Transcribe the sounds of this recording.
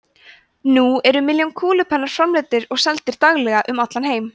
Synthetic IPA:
nuɛɾʏmɪljɔnkʰuːlʏpʰɛnːaɾ̥fɾamlɪːt̪ɪɾɔɣsɛlt̪ɪɾ̥t̪aɣlɛɣaʔʏmat̪lanɦeːjm

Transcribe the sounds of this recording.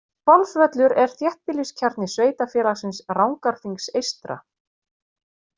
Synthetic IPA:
fɔlfvœt̪lʏɾɛɾ̥θjɛht̪̚pɪliscʰaɾt̪nɪsveːjt̪afjɛːlaɣsɪnsrawŋkaɾ̥fiŋksejst̪ɾa̰

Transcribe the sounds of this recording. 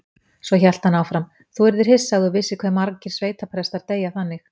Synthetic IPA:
svɔçɛl̥t̪hanawfɾam | θuɛɾðɪɾ̥hɪsːaɣðʏvɪsːɪkʰvɛmːaɾcɪɾ̥sveːjt̪apʰɾɛst̪aɾt̪eːjaθanːɪx

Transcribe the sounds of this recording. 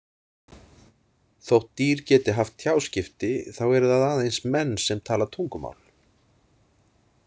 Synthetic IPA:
θowht̪ːiːɾ̥cɛːt̪ɪɦaft̪θʰjaːwscɪft̪ɪθawɛɾʏðaðaːðejnsmɛnːsɛmt̪ʰaːlat̪ʰuŋkʏma̰ːwl̥

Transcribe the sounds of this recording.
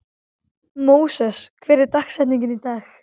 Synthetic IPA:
moːwsɛskʰvɛːɾɪɾt̪axsɛt̪niŋɲcɪnit̪aːx

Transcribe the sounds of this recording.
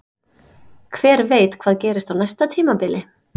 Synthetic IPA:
kʰvɛːɾveːjt̪kʰvaːðcɛːɾɪst̪awnajst̪at̪ʰiːmapɪlɪ

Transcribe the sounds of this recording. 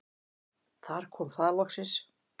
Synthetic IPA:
θaɾ̥kʰɔːmθaðɾlɔksɪns

